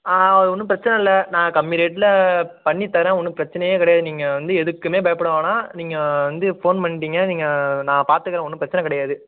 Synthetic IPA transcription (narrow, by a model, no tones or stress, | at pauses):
aːɐðɯɔnːɯp̬ɪɾɐt͡ʃːɐnɛ̃ɪlːɐnãːkɐmːɪɾeːʈːɪlɐpɐɳːit̪ːɐɾɛ̃ːɔnːɯpɪɾɐt͡ʃːɐnɐjẽːkɪɽɐjaːðɯniːŋɡɐʋɐnd̪ɯɛðɯkːɯmeːbɐjɐpːɐɽɐʋãːnaːniːŋɡɐʋɐnd̪ɯfoːnpɐɳːɪʈiːŋɡɐniːŋɡɐnãːpaːɾt̪ɯkːɪɾɐ̃ːɔnːɯpɪɾɐt͡ʃːɐnɐkɪɽɐjaːðɯ